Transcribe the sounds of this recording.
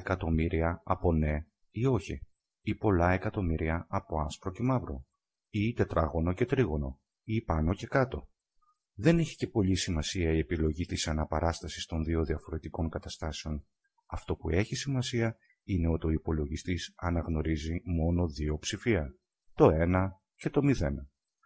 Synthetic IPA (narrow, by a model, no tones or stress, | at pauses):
ekɐt̪o̞miɾiɐɐpo̞ne̞ | io̞çi | ipo̞lɐe̞kɐt̪o̞miɾiɐɐpo̞ɐspɾo̞ce̞mɐvɾo̞ | it̪e̞t̪ɾʔɐɣo̞no̞ce̞t̪ɾiɣo̞no̞ | ipɐno̞ce̞kɐt̪o̞ | ðe̞neçi̥ce̞po̞ʎisimɐsiɐie̞pilo̞ʝit̪isɐnɐpɐɾɐst̪ɐsi̥st̪o̞nðio̞ðiɐfo̞ɾe̞t̪iko̞ŋkɐt̪ɐst̪ɐse̞o̞n | ɐft̪o̞pue̞çisimɐsiɐ | ine̞o̞t̪io̞ipo̞lo̞ʝist̪isɐnɐɣno̞ɾizimo̞no̞ðio̞psifiɐ | t̪o̞e̞nɐ | ce̞t̪o̞miðe̞nɐ